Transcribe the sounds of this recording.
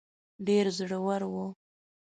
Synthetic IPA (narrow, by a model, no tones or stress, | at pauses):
ɖeɾzɽəwaɾwu